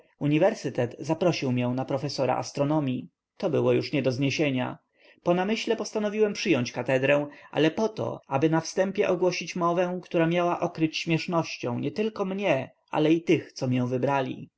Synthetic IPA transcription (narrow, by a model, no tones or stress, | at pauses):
uɲivɛɾsɘt̪ɛt̪zapɾɔɕiwmʲjɛ̃w̃napɾɔfɛsɔɾa̰ʔa̰st̪ɾɔnɔmʲji | t̪ɔbɘwɔjuʂɲɛd̪ɔzɲeɕeɲa̰ | pɔnamɘɕlɛpɔst̪anɔvʲiwɛmpʂɘjɔɲt͡ɕkat̪ɛd̪ɾɛw̃ʔa̰lɛpɔt̪ɔ̰abɘnafst̪ɛmpʲjɛʔɔɡwɔɕit͡ɕmɔvɛ̃kt̪uɾamʲjawaʔɔkɾɘt͡ɕɕmʲjɛʂnɔɕt͡ɕɔ̃w̃ɲɛt̪ɘlkɔmɲɛ | ʔa̰lɛit̪ɘxt̪sɔmʲjɛw̃vɘbɾalʲḭ